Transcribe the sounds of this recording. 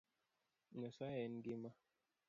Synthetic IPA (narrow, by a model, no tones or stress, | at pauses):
nɛsaɛnɡima